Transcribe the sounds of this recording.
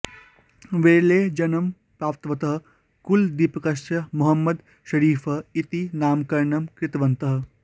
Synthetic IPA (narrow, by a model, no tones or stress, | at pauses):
ʋeːleːd͡ʒɐnɐm | pɾaːpt̪ʋɐt̪ɐɦɐ | kuld̪ipkɐsɐmuɦɐmːɐd̪ | ʃɐɾiːfʰɐit̪inaːmkɐɾɳɐmkɾɪt̪ʋɐnt̪ɐɦ̆